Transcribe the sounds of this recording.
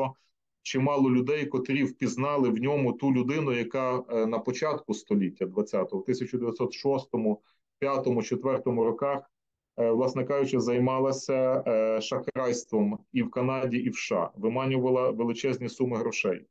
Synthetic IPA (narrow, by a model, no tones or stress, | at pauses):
ɔ | t͡ʃɪmɑlˠɔlʲʊd̪ɛjkɔt̪ɾʲiwpʲiznɑlˠɪwnʲɔmʊt̪ulʲʊd̪ɪnʊjɐkɑnɐpɔt͡ʃɑt̪kʊst̪ɔlʲitʲːɐd̪ʋɐt͡sʲːɑt̪ɔɦɔwt̪ɪsʲɐt͡ʃʊd̪eʋʲjɐt̪ʲsɔt̪ʃɔst̪ɔmʊ | pʲjat̪ɔmʊt͡ʃet̪ʋɛrt̪ɔmʊɾɔkɑx | ʋlˠɑsnɛkɑʒʊt͡ʃɛzɐjmɑlˠɐsʲɐʃɐxɾɑjst̪ʋɔmiwkɐnɑdʲiʔiwʃɑ̰ʋɪmɑnʲʊʋɐlˠɐʋelˠɪt͡ʃɛzʲnʲisumɪɦɾɔʃɛj